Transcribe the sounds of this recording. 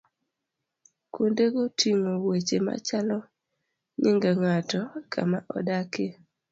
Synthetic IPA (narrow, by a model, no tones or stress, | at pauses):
kondeɡotʰiŋowet͡ʃema̰t͡ʃalɔ | ɲɪŋɡaŋatɔkʰa̰maʔɔ̰dake